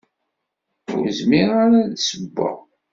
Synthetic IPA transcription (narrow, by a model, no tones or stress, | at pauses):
ʊ̰ɾzmiʁaɾaðsəbːa̰